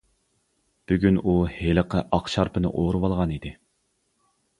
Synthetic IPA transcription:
b̥yɡʲynuheləqʰəʔɑqʃɑɾpʰɨnɨ̰ʔoɾɨwɑlˠʁɑnid̪ɪ

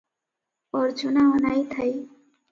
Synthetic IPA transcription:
ɔɾd͡ʒunaɔnajt̪ʰaj

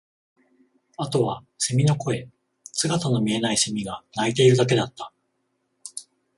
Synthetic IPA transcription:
at̪o̞βa | semʲino̞ko̞e̞ | sɨɡat̪ano̞mʲie̞naisemʲiɡanait̪e̞iɾɯ̟d̪ak̬e̞d̪at̪ːḁ

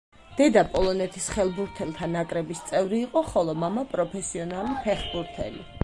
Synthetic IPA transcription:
d̪̥ɛd̪apʼɔlˠɔnɛt̪ʰisχɛlˠbuɾt̪ʰɛlˠt̪ʰanakʼɾɛbist̪sʼɛvɾiːqʼɔχɔlˠɔmamapʼɾɔpʰɛsiɔnalipʰɛχbuɾt̪ʰɛ̰li

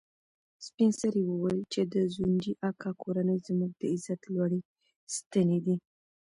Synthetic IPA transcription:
spinsaɾiwəwajlt͡ʃed̪əzund͡ʒiʔakʰɑkʰoɾanəjzmuɡ̚d̪əɪzat̪lwaɽi | st̪əned̪i

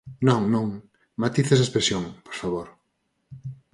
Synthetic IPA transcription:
nõŋnõŋ | mat̪iθeszespɾesjoŋpoɾfaβoɾ

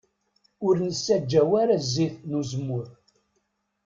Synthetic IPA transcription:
ʊɾnəsːæd͡ʒːæwaɾazːiθnuzəmːʊɾ

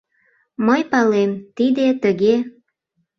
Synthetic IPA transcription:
məjpɑlemt̪id̪et̪əɣe

